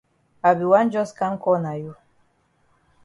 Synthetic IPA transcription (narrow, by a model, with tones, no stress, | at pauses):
a˨bi˨wa˦n˦d͡ʒɔ˦ska˦ŋ˦kɔ˦˨na˨ju˦